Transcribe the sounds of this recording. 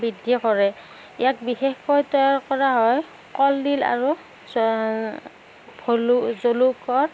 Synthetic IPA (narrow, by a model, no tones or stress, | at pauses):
bidʱːikɔɹɛ | ḭjak̚bixɛxkɔjtɔjaɹkɔɹaɦɔj | kɔldila̰ɹu | bʰʱolzolukɔɹ